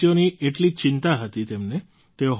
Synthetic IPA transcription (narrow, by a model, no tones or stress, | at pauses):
jonieʈlit͡ʃɪnt̪aɦət̪it̪emne | t̪eoɦ